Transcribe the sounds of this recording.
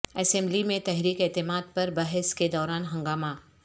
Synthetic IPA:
ɛsɛ̃mlimẽt̪ɛɦɾiːkeːt̪ɪmaːd̪̚pɐɾbɐɦɪsked̪ɔːɾaːnɦɐ̃ŋɡaːma

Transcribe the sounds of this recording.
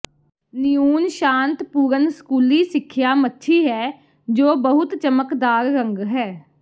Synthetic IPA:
nɪjuːnʃãːnt̪puːɾənskuːliːsɪkʰːjaːmətːʃʰiːɦɛː | d͡ʒoːbəɦʊt̪t͡ʃəməkd̪aːɾːəŋɡɦɛː

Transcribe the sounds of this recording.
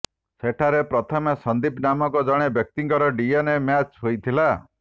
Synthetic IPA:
seʈʰaɾepɾɔt̪ʰɔmesɔnd̪ipnamɔkɔd͡ʒɔɽ̃ebjɔk̚t̪iŋkɔɾɔɖijenemjat͡ʃɦojt̪ʰila

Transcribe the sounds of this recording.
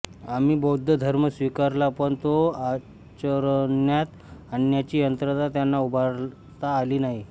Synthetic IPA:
amiːbɔd̪ʱːəd̪ʱəɾməsʋikaɾlapəɳt̪oa | t͡ɕəɾnjat̪ | aɳijat͡ɕiːjənt̪ɾət̪at̪janːaubʱaɾ | t̪aːliːnaɦi

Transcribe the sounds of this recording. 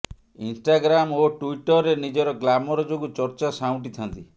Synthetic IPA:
insʈaɡɾamoʈuiʈɔɾenid͡ʒɔɾɔɡlamɔɾɔd͡ʒoɡut͡ʃɔɾt͡ʃasaw̃ʈit̪ʰant̪i

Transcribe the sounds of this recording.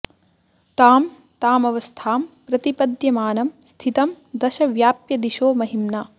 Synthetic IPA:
t̪aːm | t̪aːmɐʋɐst̪ʰaːmpɾɐt̪ipɐd̪jɐmaːnɐmst̪ʰit̪ɐm | d̪ɐʃɐʋjaːpjɐd̪iʃoːmɐɦimnaː

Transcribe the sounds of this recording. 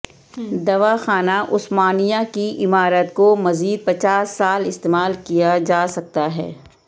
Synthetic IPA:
d̪ɐʋaxaːnaʔʊsmaːnijakiʔɪmaːɾət̪komɐziːd̪̚pɐt͡ʃaːsːaːlɪst̪eːmaːlkijad͡ʒaːsɐk̚t̪aɦɛ̰ː

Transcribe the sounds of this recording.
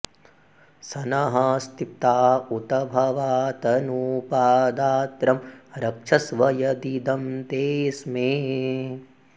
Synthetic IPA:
sɐnɐɦɐst̪ip̚t̪aːut̪ɐbʱɐʋaːt̪ɐnuːpaːd̪aːt̪ɾɐmɾɐkʂʰɐsʋɐjɐd̪id̪ɐmt̪eːsmeː

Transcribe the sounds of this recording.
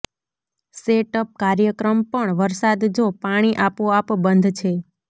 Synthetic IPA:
seʈəp̚kaɾjəkɾəmpəɳʋəɾsad̪d͡ʒopaɽ̃iʔapoapbənd̪ʱt͡ʃʰe

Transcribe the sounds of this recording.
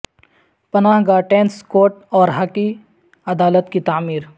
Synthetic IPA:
pɐnaːɦɡaːʈẽːnskoːʈɔːɾɦɐki | ɐd̪aːlət̪kit̪aːmiːɾ

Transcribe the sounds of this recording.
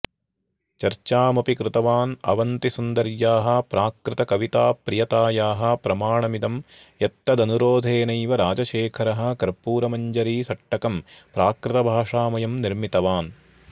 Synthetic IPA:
t͡ʃɐɾt͡ʃaːmɐpikɾɪt̪ɐʋaːnɐ̰ʋɐnt̪isund̪ɐɾjaːɦɐ̆pɾaːkɾɪt̪ɐkɐʋit̪aːpɾijɐt̪aːjaːɦɐ̆pɾɐmaːɳɐmid̪ɐm | jɐt̪ːɐd̪ɐnuɾoːd̪ʱeːnɐjʋɐɾaːd͡ʒɐʃeːkʰɐɾɐɦɐ̆kɐɾpuːɾɐmɐɲd͡ʒɐɾiːsɐʈːɐkɐmpɾaːkɾɪt̪ɐbʱaːʂaːmɐjɐmniɾmit̪ɐʋaːn

